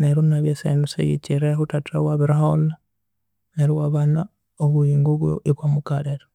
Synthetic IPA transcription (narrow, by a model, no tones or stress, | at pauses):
neɾunaβjesḛnusḛjḭciɾehutatʰawaβiɾahona | neɾiwaβana | oβujiːŋɡoβwjo̰ʔiβwamukaleɾa